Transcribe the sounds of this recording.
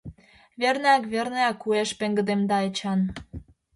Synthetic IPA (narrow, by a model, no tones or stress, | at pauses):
βernɑkβerneɑkːueʃpĕŋɡə̆d̪emd̪ɑet͡ɕɑn